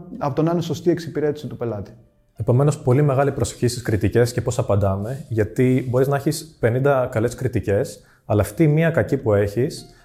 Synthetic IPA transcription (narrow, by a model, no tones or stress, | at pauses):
ɐpot̪onɐneso̞st̪ie̞ksipiɾe̞t̪i̥sit̪upe̞lɐt̪i̥ | e̞po̞me̞no̞spo̞lime̞ɣɐlipɾo̞so̥çist̪iskɾit̪ice̞sce̞po̞sɐpɐnd̪ɐme̞ʝɐt̪ibo̞ɾiznɐeçispe̞nind̪ɐkɐle̞skɾit̪ice̞s | ɐlɐːft̪imiɐkɐcipue̞çis